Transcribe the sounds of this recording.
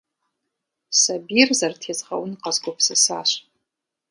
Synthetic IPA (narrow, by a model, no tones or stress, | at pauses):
sabirzartʰezʼʁa̰wʊnqʼazɡʷopʰsasaʃʷ